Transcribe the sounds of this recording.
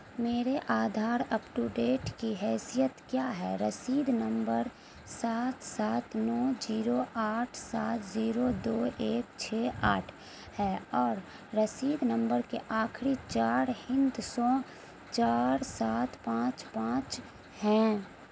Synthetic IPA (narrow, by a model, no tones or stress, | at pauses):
meːɾeʔaːd̪ʱaːɾɐpʈuɖeːʈkiɦɛːsijət̪kjaːɦɛ̰ɾəsiːd̪nə̃mbəɾ | saːt̪saːt̪nɔːd͡ʒiːɾoʔaːʈʰsaːt̪ʰziːɾod̪oːeːkt͡ʃʰeːʔaːʈʰ | hɛːɔːɾː | əsiːd̪nə̃mbəɾkeʔaːkʰɾit͡ʃaːɾhɪ̃nd̪sɔ̃ː | t͡ʃaːɾsaːt̪pãːt͡ʃpãːt͡ʃ | hɛ̃ː